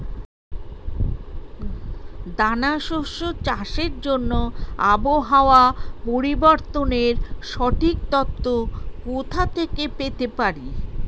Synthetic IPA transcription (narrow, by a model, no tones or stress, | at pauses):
d̪anaʃoʃot͡ɕaʃeɾd͡ʑonːoa̰boɦaoapoɾiboɾt̪oneɾʃɔʈʰik̚t̪ɔt̪ːokot̪ʰat̪ʰekepet̪epaɾi